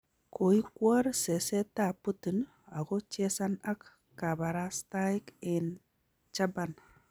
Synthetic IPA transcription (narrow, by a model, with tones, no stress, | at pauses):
kʰo˨i˦kwɔ˦ɾsɛ˨sɛ˦ta˦˨pu˦tu˨n | a˨ɣɔ˦t͡ʃɛ˦sa˦na˦kː | a˨ba˨ɾa˦sta˦ɪ˦kɪn | t͡ʃa˦ban